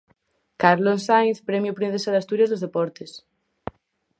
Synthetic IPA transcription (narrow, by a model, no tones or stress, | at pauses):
kaɾlossajnθpɾemjupɾin̟θesald̪ast̪uɾjazðozðepɔɾt̪es